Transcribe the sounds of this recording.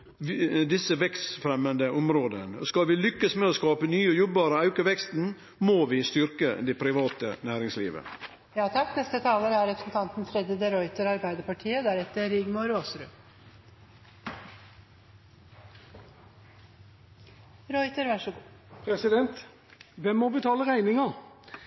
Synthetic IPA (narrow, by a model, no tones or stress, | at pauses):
d̪ɪsːəʋɛkst̪fɾɛmːənd̪əʔʊmɾoːd̪ənskɑlʋɪlʏkːəsmɛːoskɑːpənyːɔjɔbɑːɾəɑʉkʊʋɛkst̪n̩ | moːʋɪst̪ʏɾkə̰d̪ɛpʰɾɪʋɑːt̪ə̰næːɾɪŋslḭːʋə̰ | jɑːt̪ʰɑkːnɛst̪ət̪ʰɑːləɾæɾɾɛpɾə̥sn̩t̪ʰɑnt̪nfɾɛd̪ɾɪd̪əɾɔʏt̪əɾɑɾbæɪd̪əpɑʈʰiːəd̪æɾɛt̪ːəɾɪɡmɔɾoːsɾʉ | ɾɔʏt̪əɾʋɑʂəɡupʰɾɛsɪd̪ɛnt̪ | ʋɛmmɔbət̪ʰɑːləʁæɪnɪŋɑ